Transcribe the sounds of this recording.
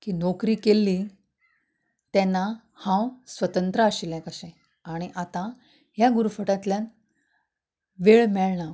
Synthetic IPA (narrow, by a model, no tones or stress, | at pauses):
kiːnɔkɾiːkelːi | t̪ɛnːa | hãwsʋət̪ənt̪ɾəaɕilɛ̃kəɕẽ | aɽ̃iʔat̪ã | ɦjaɡuɾfəʈãt̪ljan | ʋeɭmɛɭɳa